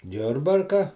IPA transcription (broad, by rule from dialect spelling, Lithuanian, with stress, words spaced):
ˈjʊrbɐrkɐ